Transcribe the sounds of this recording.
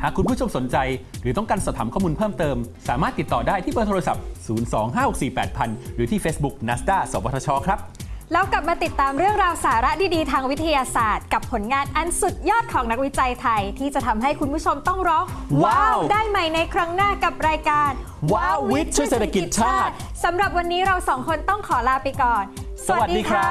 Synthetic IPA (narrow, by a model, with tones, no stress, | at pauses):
haː˨˩kʰːu˧npʰu˦˥t͡ɕʰo˧mso˩˦nt͡ɕa˧jɾɯː˩˦t̪ɔ˥˩kaː˧nsaː˨˩t̪ʰaː˩˦mkʰɔː˥˩muː˧npʰɤː˥˩mt̪ɤː˧msaː˩˦maː˥˩t̪ːi˨˩t̪ːɔː˨˩daː˥˩jt̪ʰiː˥˩pəː˧˩t̪ʰo˧a˧sa̰˨˩p̚suː˩˦nsɔː˩˦ŋɦaː˥˩ho˨˩k̚siː˨˩pɛː˨˩t̪̚pʰa˧nɾɯː˩˦t̪ʰiː˥˩fe˦˥sbu˦˥k̚na˦˥st̪aː˥˩so˨˦paː˧t̪ʰaː˧t͡ɕʰɔː˦˧˥kʰɾa˦˥p̚lɛː˦˥wkla˨˩p̚maː˧t̪i˨˩t̪ːaː˧mɾɯ˥˩əŋɾaː˧wsaː˩˦ɾa˦˥tʰiː˥˩diː˧t̪ʰaː˧ŋwi˦˥t̪ʰːa˧jaː˧saː˨˩t̪̚ka˨˩pʰːo˩˦nŋaː˧nʔa˧nsu˨˩t̪̚jɔː˥˩t̪̚kʰɔː˩˦ŋna˦˥k̚wi˦˥t͡ɕa˧jt̪ʰa˧jt̪ʰiː˥˩t͡ɕa˨˩ʔt̪ʰa˧mɦa˥˩jkʰu˧npʰu˦˥t͡ɕʰo˧mt̪ɔ˥˩ŋɾɔː˦˥waː˧wdaː˥˩jma˧jna˧jkʰɾa˦˥ŋnaː˥˩ka˨˩p̚ɾaː˧jkaː˧n | waː˧wwi˦˥t̪̚t͡ɕʰu˦˥˩seː˨˩t̪ʰa˧ki˨i˨˩t̪̚t͡ɕʰaaː˥˩t̪̚ | sa˩˦mɾa˨˩p̚wa˧nːiː˦˥ɾa˧wsɔː˩˦ŋkʰo˧nt̪ɔ˥˩ŋkʰɔː˩˦laː˧wpa˧jkɔː˨˩n | sa˧wa˩wa˨˩t̚dːdiː˧kʰɾa˦˥